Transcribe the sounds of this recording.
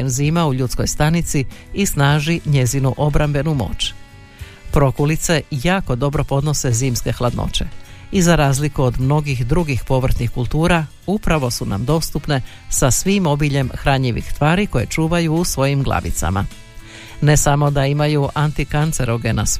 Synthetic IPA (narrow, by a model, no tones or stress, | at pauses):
enziːmauʎuːt̪sko̞jst̪anit̪siisnaːʒiɲe̞zinuʔo̞bɾambe̞numo̞̰ːt͡ʃ | pɾo̞kulit̪se̞jaːko̞d̪o̞bɾo̞po̞d̪no̞se̞ziːmske̞xlˠad̪no̰t͡ɕe̞̰izaɾaːzlikuod̪mno̞ɡixd̪ɾuɡixpo̞ʋr̩t̪nixkulˠt̪uːɾa | upɾaʋo̞suna̰md̪o̞st̪upne̞ | sasʋimo̞biʎe̞mxɾaɲʎiʋḭxst̪ʋaːɾiko̞je̞̰t͡ʃuːʋajuːsʋo̞jimɡlˠa̰ʋḭt̪sa̰ma̰ | ne̞samo̞d̪aimajuʔant̪ikant̪se̞ɾoɡenas